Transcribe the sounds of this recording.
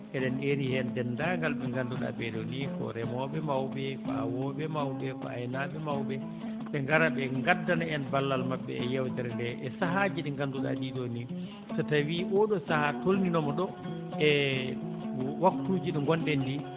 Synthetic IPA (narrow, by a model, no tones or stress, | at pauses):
ʔɛɗɛnʔeɾihɛndɛndaŋɡalɓɛŋɡanduɗa̰bɛɗɔnikɔ̰ɾɛmɔɓɛmawbɛfa̰wɔɓɛmawɓɛfa̰ɛnaɓɛmawbɛ | ɓɛŋɡaɾaɓɛŋɡadːanaɛnbalːalmaɓːɛ̰ɛjɛwtɛɾɛndɛʔɛsaɦad͡ʒiɗɛŋɡanduɗa̰ɗiɗoni | tɔtawiʔɔɗɔsahatolninɔmɔɗɔ | ɛ | waktuːd͡ʒiɗɔŋɡɔndɛndi